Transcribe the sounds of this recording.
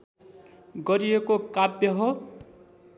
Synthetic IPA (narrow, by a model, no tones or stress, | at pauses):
ɡʌɾiekokabjʌɦo